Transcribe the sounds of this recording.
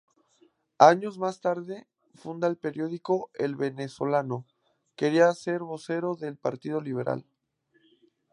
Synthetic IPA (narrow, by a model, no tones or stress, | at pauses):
aɲo̞zmast̪aɾðe̞ | fund̪aelpe̞ɾjo̞ðiko̞elβe̞ne̞swo̞lano̞ | ke̞ɾiase̞ɾβo̞se̞ɾo̞ðelpaɾt̪ið̞oliβ̞e̞ɾʔa̰l